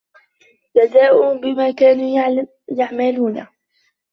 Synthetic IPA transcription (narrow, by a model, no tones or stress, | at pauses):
d͡ʒazaːʔʊbɪmaːkaːnuː | jaʕmaluːna